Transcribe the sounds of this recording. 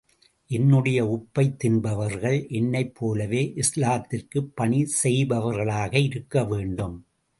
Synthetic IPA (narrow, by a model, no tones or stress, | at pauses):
ʔɛnːɯɽɐjɐʊpːɐɪt̪ːɪnbɐʋɐɾɣɐɭʔɛnːɐɪpʰːoːlɐʋeːʔɪslaːt̪ːɪrkɯpːɐɳisɛjbɐʋɐɾɣɐɭaːɣɐɪɾɯkːɐʋeːɳɖɯm